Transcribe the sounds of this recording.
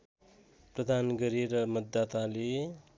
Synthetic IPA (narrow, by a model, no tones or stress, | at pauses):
prʌd̪ʱanɡʌɾiɾʌmʌd̪ːat̪ale